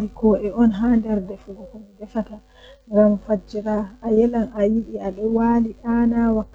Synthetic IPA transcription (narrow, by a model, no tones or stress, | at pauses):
ɾikɔʔɛʔɔnɦaːndɛɾdɛfuɡɔkɔmidɛfata | ŋɡamfad͡ʒiɾaːjɛlanajiɗiaɗɔwaːliɗanawakː